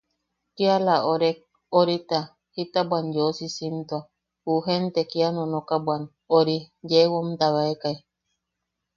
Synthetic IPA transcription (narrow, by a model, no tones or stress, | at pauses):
kialaʔoɾe | oɾit̪a | hit̪abwanjosisint̪oa | huɦent̪ekianonokabwan | oɾijewomt̪aβaekai